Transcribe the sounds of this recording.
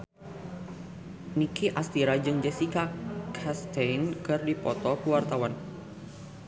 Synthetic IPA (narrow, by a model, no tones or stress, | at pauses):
nikʰiʔast̪iɾad͡ʒɨŋd͡ʒasikakʰast̪ejnkɨrdipɔt̪ɔkəwart̪awan